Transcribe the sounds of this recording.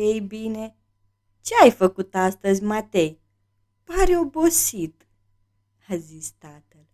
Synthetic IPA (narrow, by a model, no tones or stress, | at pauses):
ejbine | t͡ɕajfəkut̪aːst̪əzʲmat̪ej | paɾjobosit̪ | həzist̪at̪əl